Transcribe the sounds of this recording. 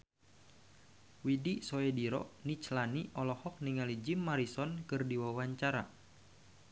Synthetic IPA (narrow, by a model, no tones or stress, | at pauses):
widisɔɛdiɾɔ̰ʔnit͡ʃlaniʔɔlɔhɔk̚niŋalid͡ʒimːaɾisɔnkɨrdiwawaɲt͡ʃaɾa̰